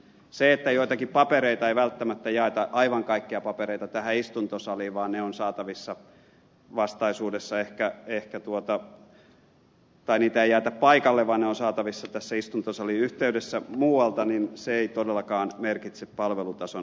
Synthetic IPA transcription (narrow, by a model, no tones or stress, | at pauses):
seet̪ːæjoit̪ɑkippɑpeɾeit̪ɑeiʋælt̪ːæmæt̪ːæjɑet̪ɑʔɑiʋɑŋkɑikːiɑpɑpeɾeit̪ɑt̪æhæist̪unt̪osɑliʋɑːnneonsɑːt̪ɑʋisːɑ | ʋɑst̪ɑisuːdesːɑehkæehkæt̪uot̪ɑ | t̪ɑiniːt̪æeijæːt̪æppɑikɑlːeʋʋɑːnneonsɑːt̪ɑʋisːɑt̪æsːæist̪unt̪osɑliyht̪eydesːæmuːwɑlt̪ɑninseeit̪odelːɑkɑːnmerkit̪seppɑlʋelut̪ɑso